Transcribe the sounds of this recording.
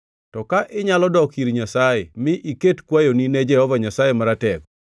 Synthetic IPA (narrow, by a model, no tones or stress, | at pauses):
tɔkaʔɪɲalɔdɔkiɾiɲasajemɪʔiketkwajonined͡ʒɛhɔvaɲasajemaɾatɛk